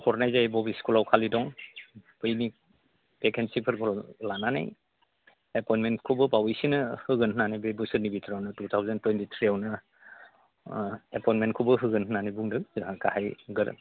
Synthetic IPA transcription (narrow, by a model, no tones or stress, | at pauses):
hʰɔɾnajzajbɔbiskulawkʰalidɔŋpɯjni | pekʰensipʰəɾkʰɔllanana̰j | epɔjnmentkʰubɯpawijsinɯhɯɡɯnɦɯnanajbebɯsɯɾnibitʰɾawnɯtutʰawzəntwentitʰɾiawnɯ | epɔjnmentkʰubɯɦɯɡɯnɦɯnanajbuŋdɯakahajɡɯɾ̰